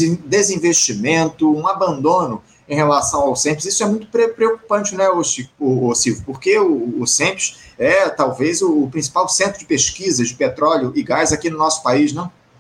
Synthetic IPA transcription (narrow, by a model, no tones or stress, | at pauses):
d̪ezĩveʃt͡ʃimẽnt̪ʊũabɐ̃nd̪õnʊ | ẽj̃helasɐ̃w̃awsẽpɪzisʊɛmũj̃t̪ʊ̥pɾepɾeoku̥pɐ̃t͡ʃɪnɛosiʊːsiwvʊpoɾkeʊːsẽpɪ̥ʃɛt̪awvezʊːpɾĩs̬i̥pawsẽnt̪ɾʊd͡ʒɪpeʃkizɐd͡ʒɪpet̪ɾɔljʊɪɡajzakinʊnɔsʊ̥paiʃnɐ̃w̃